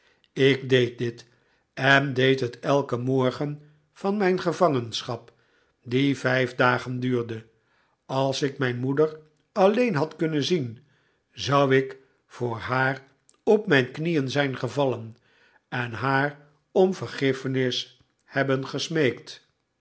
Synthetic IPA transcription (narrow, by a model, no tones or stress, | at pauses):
ɪɡdejt̚dɪt | ɛndejtɦətɛlˠkəmɔɹχən | v̥ɑnmɛjnχəvɑŋənsχɑp | divɛjvdaːχəndyːɹdə | ɑlˠsɪkmɛjnmudəɹ | ɑlejnɦɑtkɵnənzin | zʌwɪk | fʊːɹɦaːr | ɔpmɛjnknijənzɛjnχəvɑlən | ɛnɦaːr | ɔmvəɹχɪfənɪs | hɛbənχəsmejkt